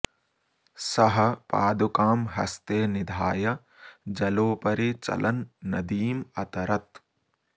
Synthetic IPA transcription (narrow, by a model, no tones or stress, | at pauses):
sɐɦɐ̆paːd̪ukaːmɦɐ̰st̪eːnid̪ʱaːjɐ | d͡ʒɐloːpɐɾit͡ʃɐ̰lʔɐnːɐd̪iːmɐt̪ɐɾɐt̪